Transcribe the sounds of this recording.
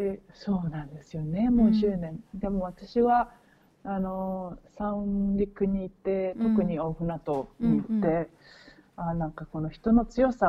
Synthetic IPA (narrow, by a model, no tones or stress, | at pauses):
eso̞ːnãnd̪e̞sɨjo̞ne̞mo̞ɕɨːnẽ̞nd̪e̞mo̞β̞at̪aɕiβaː | no̞sãɯ̃ɾʲikɯ̟ɲ̟iːt̪ːe̞t̪o̞kɯ̟ɲ̟io̞ːɸɯ̟nat̪o̞ɲiit̪ːe̞ | anãŋkako̞no̞çi̥t̪o̞no̞t͡sɨjo̞sa